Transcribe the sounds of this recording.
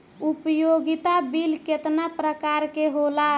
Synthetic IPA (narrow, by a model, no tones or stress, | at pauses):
upəjoɡit̪abilket̪napɾəkaɾkeɦola